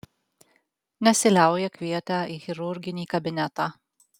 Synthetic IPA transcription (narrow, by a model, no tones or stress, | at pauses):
nʲɛsʲɪlʲæˑʊjɛkʲʋʲiɛt̪ʲæːiːxʲɪɾʊɾʲɡʲɪnʲiːkɐbʲɪnʲæt̪ɑː